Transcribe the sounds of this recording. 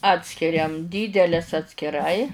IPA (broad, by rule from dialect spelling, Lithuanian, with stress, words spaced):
ˈɑːtʲsʲkʲɪrʲɛm ˈdʲiːdʲɛlʲeːs ɐtʲsʲkʲɪˈrɐɪ